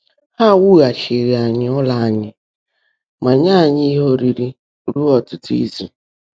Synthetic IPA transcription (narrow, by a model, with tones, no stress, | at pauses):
ha˦wu˦ɣa˨ʃɪ˨ɾi˨a˨ɲɪ˨ɔ˦la˨a˨ɲɪ˨ | ma˨ɲa˦˨ɲi˦ɦo˦ɾi˨ɾi˦ | ɾu˦ɔ˨tʊ˦tḭ˦zḭ˨